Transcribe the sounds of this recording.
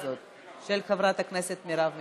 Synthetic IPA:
zot̪̚ | ʃelxavɾat̪akneset̪miɾavmi

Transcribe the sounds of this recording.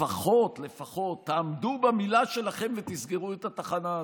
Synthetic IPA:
aχo̞t̪lefaχo̞t̪ːaːmd̪ubamilaʃe̞laχe̞mvet̪isɡeʁuet̪at̪aχana

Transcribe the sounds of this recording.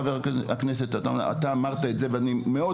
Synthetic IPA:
aveʁaakne̞s̬e̞t̪ataa̰t̪aːmaʁt̪aetze̞veanimeo̞

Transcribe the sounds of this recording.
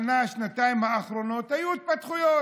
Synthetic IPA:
naʃnat̪aimhaːχɾonot̪hajuit̪̚pat̪χujo

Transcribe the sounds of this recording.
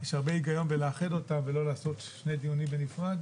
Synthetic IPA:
jeʃhaʁbe̞iɡajo̞nbeleːχedo̞tamvelo̞laːso̞t̪ʃne̞jd̪ijunimbenifʁad

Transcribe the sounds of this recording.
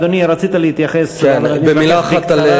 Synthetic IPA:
d̪oniaɾat͡sit̪aliit̪jaχesenanibemilaːχakt̪al

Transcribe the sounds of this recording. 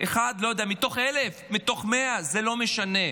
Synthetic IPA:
ʔeχad̪lo̞jod̪eamit̪o̞χelefmit̪o̞χmeazelo̞me̞ʃane̞

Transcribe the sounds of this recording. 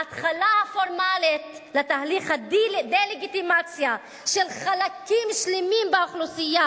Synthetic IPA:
at̪χalahafoʁmalit̪let̪aliχhadd̪ejleɡit̪imat͡sja | ʃelχalakimʃlemimbeaχlusija

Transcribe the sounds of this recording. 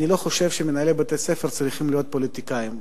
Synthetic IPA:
nilo̞χo̞ʃe̞vʃemenaelebat̪e̞sefeʁt͡sʁiχimlijo̞t̪̚po̞lit̪ikaim

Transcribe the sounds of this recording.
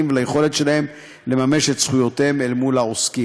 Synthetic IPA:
imvelaje̞χo̞le̞tʃe̞lahe̞m | le̞mame̞ʃetsχujo̞temelmulaoski

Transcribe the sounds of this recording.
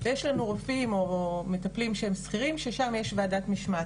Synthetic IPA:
vjeʃlanuʁofimo̞me̞t̪aplimʃeemsχiʁimʃeʃamje̞ʃvaːdat̪miʃma

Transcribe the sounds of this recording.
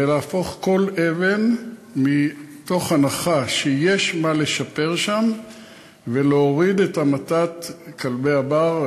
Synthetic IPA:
eleafo̞χko̞le̞ve̞nmit̪o̞χanaχaʃejeʃmale̞ʃape̞ʁʃam | veleoʁid̪etamatat̪kʰalbejabaʁ

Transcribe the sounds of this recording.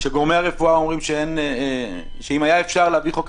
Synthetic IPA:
ʃeɡo̞ʁmejaʁefuao̞mʁimʃeen | ʃeimajaefʃaʁleaviχok

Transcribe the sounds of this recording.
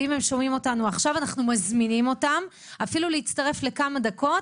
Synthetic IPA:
ime̞mʃo̞mimo̞tanuaχʃavanaχnumazminimo̞tam | afiluleit͡staʁe̞fle̞kamadako̞t

